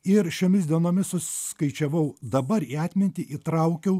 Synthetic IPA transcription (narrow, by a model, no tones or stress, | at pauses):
ɪɾʃʲoːmʲɪsʲd̪ʲiɛnoːmʲɪssʊsʲɪskɐɪt͡ʃʲɛʋɐʊd̪ɐbɐɾiːɑːt̪ʲmʲɪnʲt̪ʲiːʔit̪ɾɐʊkʲɛʊ